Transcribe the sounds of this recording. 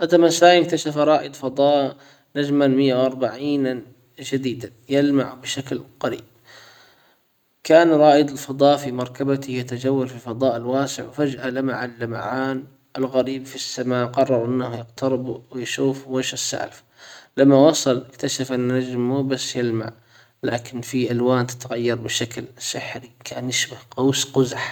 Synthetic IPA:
ʔad̪amasaːjk̚t̪aʃafɾˤɑːʔɪd̪ˤfɑd̪ˤɑːʔ | nad͡ʒmanmɪjːawʔɑɾˤbaʕiːn | d͡ʒad̪iːd̪a | jɪlmaʕbɪʃaklqaɾḭːb̚ | kaːnɾˤɑːʔɪd̪ɪlfɑd̪ˤɑːʔfimɑɾˤkabat̪ɪjat̪ad͡ʒawːalfilfɑd̪ˤɑːʔɪlwaːsɪ̰ʕwfad͡ʒʔalamaʕalːama̰ʕaːn | ʔɪlɣaɾiːbfisːamaːqɑrˤːɑɾˤʔɪnːahjɪqt̪ɑɾɪbwɪjʃuːfweʃɪsːa̰ʕlf | lamːawɑsˤɑlɪkt̪aʃafʔɪnːad͡ʒmːubasːjɪlma̰ʕ | laːkɪnfiʔalwaːnt̪ɪ̥t̪aɣajːɑɾˤbɪʃaklsɪħɾikʰaːnjɪʃbahqawsqʊzaħ

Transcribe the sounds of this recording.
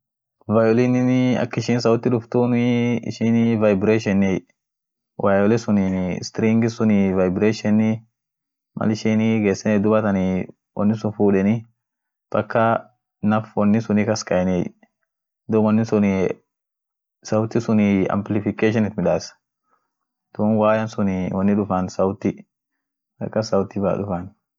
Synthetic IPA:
vajɔlɪnɪnɪɐ̰kːɪʃɪːns̬ɐwʊt̪ːɪᶑʊft̪unɪɪ̰ʃɪnɪvajbɾeʃɛnːɛj | wʔajɔlɛsʊnɪn̰st̪ɾiŋɡɪsʊnɪvajbɾeʃɛnːɪ | mʔɐ̰lɪʃinɪɡeːsːɛnɛd̪ʊbɐt̪ɐnɪ | wɐ̰nːɪsʊnfuːᶑɛnɪ | b̥ɐkːɐ | nɐfwɐnːɪsʊnikɐskɐɛne | d̪ʊwɐnːɪsʊn | sɐwt̪ːɪsʊnɪɐ̰mplɪfɪkeːʃ̬ɪnɪt̪mɪᶑaːs | d̪̥uːnwaːjɐnsʊnɪwɐnːɪᶑʊfɐnsɐwʊt̪ːɪ | bɐ̰kːɐsɐwʊt̪ːɪba̰ᶑʊfan

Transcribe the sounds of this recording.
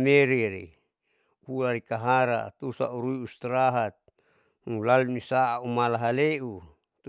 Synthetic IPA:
meɾiɾḭ | uaɾikaɦaɾa̰t̪usa̰ʔuɾuiust̪ɾaɦat̪̚ | ulalunisaːumalaɦaleʔu | t̪

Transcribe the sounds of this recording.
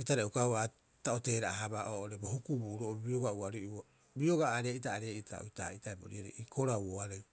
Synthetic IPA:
etaɾeukaa | taote̞ːɾaaɦabaʔoːʔoɾebohukubuɾoʔobioɡauaɾea | bioɡaːɾeʔitaːɾeʔitʰa̰o̰jta̰itaebo̰ɾiaɾḛʔikʰoɾawoaɾej

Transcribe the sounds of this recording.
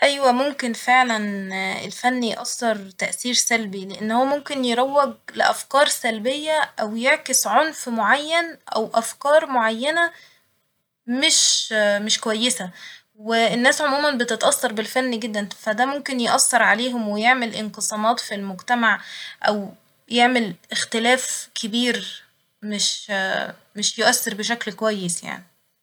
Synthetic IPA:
ʔæjwæmomkenfeʕlænḛlfænːijʔɑsːɑɾˤt̪æʔsiːɾsælbileʔenːhowːæmomkenjeɾæwːæɡleʔæfkɑːɾˤsælbejːæʔæwjeʕkesʕonfmoʕajːænʔæwʔæfkɑːɾˤmoʕajːænæ | meʃmeʃkowæjːesæ | weenːæːsʕomuːmænbet̪et̪ʔɑsːɑɾˤbelfænːɡed̪ːænfæd̪æmomkenjeʔɑsːɑɾˤʕaleːɦomwejeʕmelʔenqɨsˤɑːmɑːt̪filmoɡt̪æmaʕʔæ̰w | jeʕmelʔext̪elæːfkʰebiːɾ | meʃ | meʃjoʔæsːeɾbeʃ̬æklkowæjːesja̰ʕni

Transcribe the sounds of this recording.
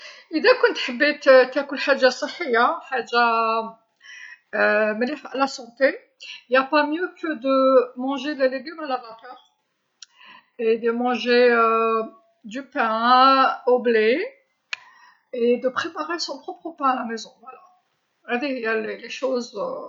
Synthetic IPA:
id̪ekɔ̃nt̪ħəbːet̪t̪akʊlħaʒːasˤəħːijːaħaʒa | məlefalasɑ̃t̪e | japamjøkəd̪əmɑ̃ʒeleleɡymalavat̪œʁ | ed̪əmɑ̃ʒeə | d̪ypɛ̃ | oble | ed̪əpχepaʁesɔ̃pχɔpχəpɛ̃alamezɔ̃vwala | ad̪ejaleleʃoz

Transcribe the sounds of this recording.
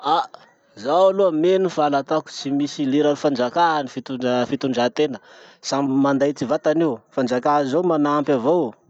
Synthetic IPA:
a | zawaluamenufalat̪aku̥t͡simisiliɾanifand͡ʒakaɦanifit̪ufit̪uɳɖ͡ʐat̪enəsamand̪ajt͡sivat̪aniufand͡ʒakaɦazowmanaampʲavow

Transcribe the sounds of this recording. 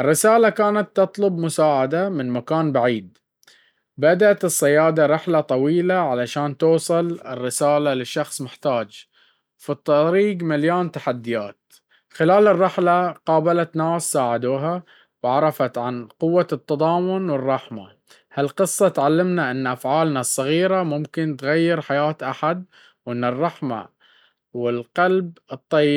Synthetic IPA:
ʔɪrːɪsaːlakaːnat̪ːɑt̪ˤlʊbmʊsaːʕad̪amɪnmakaːnbaʕiːd̪̚ | bad̪aʔat̪ɨsˤːɪjaːd̪aɾˤɪħlat̪ˤɑwiːlaʕalaʃaːnt̪uːsˤɨlɪrːɪsaːlalɪʃːɑxsˤmɪħt̪aːd͡ʒ | fit̪ˤːɑɾiːɡmɪljoːnt̪aħad̪ːɪjaːt̪̚ | xɪlaːlɪrˤːɑħlaqɑːbalat̪naːsːaːʕad̪uːɦa | wʕɑɾˤɑfat̪ʕanqʊwːat̪ːɑðˤɑːmʊnwɪrˤːɑħma̰ | halqɨsˤːɑt̪ʕalːɪmnaʔɪnːʔafʕaːlnasˤːɑɣiːɾamʊmkɪnt̪ɣajːɪɾħajaːt̪ʔaħad̪̚ | wʔɪnːɪrˤːɑħma̰ | wɪlqɑlbɨt̪ˤːɑjːɪ

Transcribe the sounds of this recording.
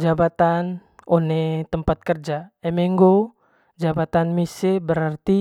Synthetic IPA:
d͡ʒabat̪anonet̪əmpat̪̚kərd͡ʒaɛmeŋɡo | d͡ʒabat̪anmisebəɾart̪i

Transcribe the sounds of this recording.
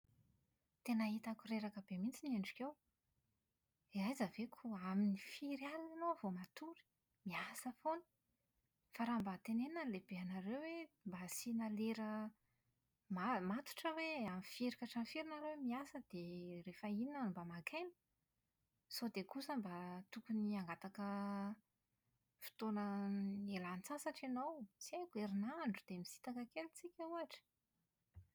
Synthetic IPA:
t̪enəit̪akuɾeɾakəbemint͡sineɳɖ͡ʐukʲew | eajzəvekʰuaminifiɾjalanovomat̪uɾi̥ | miasəfonu̥ | faɾambat̪enenəlebeanaɾewwembasinaleɾə | mamat̪u̥ʈ͡ʂəweamifeɾikaʈ͡ʂanfiɾinaɾewemiasəd̪̥erefəininanmbamakʰajnə̥ | sod̪ekusəmbat̪ukuniaŋɡat̪akə | fi̥t̪onəelant͡sasaʈ͡ʂenowt͡siajkueɾinaɳɖ͡ʐud̪̥emisi̥t̪akəkelut͡sikʲauaʈ͡ʂə̥

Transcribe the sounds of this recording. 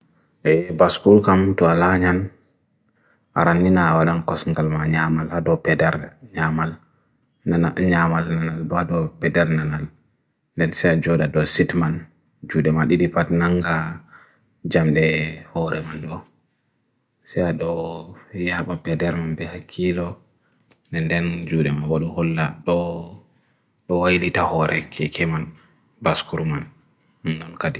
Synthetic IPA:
ʔɛbaskulkamtɔalaɲan | ʔa̰ɾanːinawalankɔsŋɡalmaɲamaladɔpɛdɛɾɲamal | naaɲamalnanalbadɔpɛdɛɾnanal | ndɛnsɛad͡ʒɔdadɔsitman | d͡ʒudɛmaɗiɗipatnaŋɡa | d͡ʒamɗɛhɔɾɛmanɗɔ | sɛaɗɔjaɓapɛdɛɾmanbɛhakʰːilɔ | ndɛndɛnd͡ʒuɗɛmawaɗuhɔlːaɗɔ | ɗɔwajlitahɔɾʔɛkʰɛkʰɛman | baskuɾmanː | ɔnkadi

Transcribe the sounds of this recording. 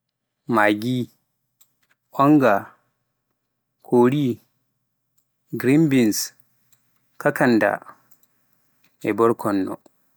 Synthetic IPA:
maːɡi | ʔɔŋɡa | kʰoːɾi | ɡɾimbins | kakanda̰ | ʔɛbɔɾkʰɔnːɔ̰

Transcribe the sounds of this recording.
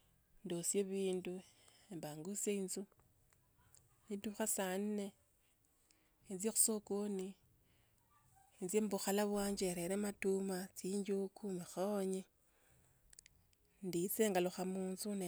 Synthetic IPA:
ndosjeβiːnduembaŋɡuseinzu | nituxasanne | ent͡sjexu̥sokoni | enzjembuxalaβwaːɲd͡ʒeɾeɾematumat͡siːɲd͡ʒukʰumaxaoɲe | ndit͡seːŋɡaloxamuːnzune

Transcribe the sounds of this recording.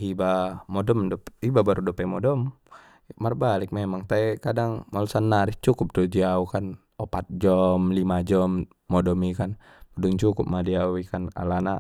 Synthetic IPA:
hibamɔdɔmdɔpibabaɾudɔpɛmɔdɔm | marbalɪk̚memaŋt̪aɛkadaŋmalsanːaɾist͡ʃukup̚t̪ud͡ʒiaukan | ɔpat̪̚d͡ʒɔmlimad͡ʒɔmː | ɔdɔmikan | mɔdɔŋt͡ʃukʊp̚madiawikana̰lana

